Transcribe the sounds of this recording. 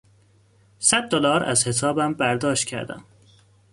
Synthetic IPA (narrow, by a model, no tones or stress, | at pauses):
sæd̪̚ːolɒːɾæ̰zhe̞sʰɒːbæmbæɾd̪ɒːʃt̪̚cʰæ̰ɾd̪æ̰m